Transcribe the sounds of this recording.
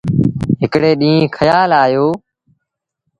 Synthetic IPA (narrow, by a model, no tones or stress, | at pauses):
ɦɪkɽeːɗĩːẽːkʰəjaːlaːjoː